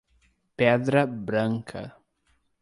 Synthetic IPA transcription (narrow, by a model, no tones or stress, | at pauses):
pɛd̪ɾɐbɾɐ̃ŋkʰɐ̰